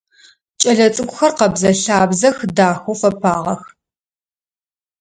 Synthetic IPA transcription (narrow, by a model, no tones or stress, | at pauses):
t͡ʃʼɐɮɐt͡sʼɨkʷʼʊxɐrqɐbzɐɬaːbzɐxdaːxofɐpʰaːʁɐx